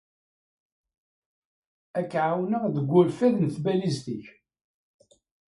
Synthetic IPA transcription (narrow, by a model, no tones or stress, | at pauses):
ækːʕawnəʁðəɡʷːʊlfæðnθbælizt̪iç